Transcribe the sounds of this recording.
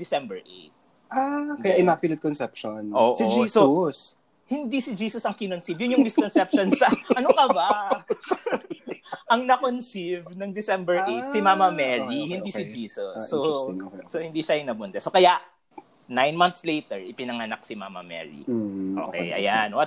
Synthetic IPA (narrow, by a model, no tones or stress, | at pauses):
d̪ɪsɛmbɛɹʔḛjt̪̚ | akɐjaʔjnapɪlɪt̪̚konsɛpʃonʔoːʔsɪd͡ʒisos | hɪnd̪isɪd͡ʒiːsʊsɐŋkɪnonsivjʊnjʊŋmɪskonsɛp̚ʃonsɐnɐnokɐba | ɐŋnɐkonsivnɐŋd̪ɪsɛmbɛɹʔejtsɪmamɐmɛɹihɪnd̪isɪd͡ʒiːsosːoː | ohɪnd̪iʃajʊŋnɐbʊnt̪ɐsokɐjaʔ | najnmɐnt̪slejt̪ɛɹʔɪpɪnɐŋɐnak̚sɪma̰ːmɐ̰mɛ̰ːɹḭʔo̰kɛ̰jʔɐ̰janwɐt̪̚